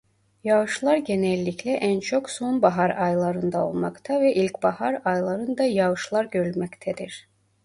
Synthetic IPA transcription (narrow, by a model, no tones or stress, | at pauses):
jaɯʃlˠaɾɟenɛlʲːiclʲɛʔænt͡ʃʰo̞kso̞nbaɦaɾajlˠaɾɯnd̪ao̞̰lˠmakt̪ʰavɛʔilʲcbahaɾajlˠaɾɯnd̪ajavɯʃlˠaɾɟøɾylʲmɛct̪ʰɛd̪iɾ̥